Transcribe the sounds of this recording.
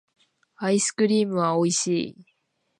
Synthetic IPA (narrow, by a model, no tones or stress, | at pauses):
aisɨ̥kɯ̟ɾʲiːmɯ̟βao̞iɕiː